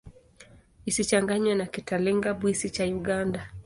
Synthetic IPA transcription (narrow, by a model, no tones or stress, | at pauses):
isit͡ʃaŋɡaɲwɛnakitalɛŋɡaɓwisit͡ʃajuɠanda